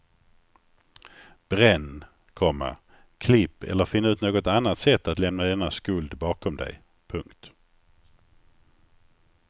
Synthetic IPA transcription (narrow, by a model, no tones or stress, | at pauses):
b̥ɾɛnː | kʰɔmːə̰ɾ | kʰlɪpːɛ̰lːəɾfɪnːaʉ̟ːt̪noːɡɔt̪anːat̪sɛt̪ːat̪lɛmnad̪ɛnaskɵld̪bɑːkʰɔmd̪ɛ̰j | pʰɵŋkt̪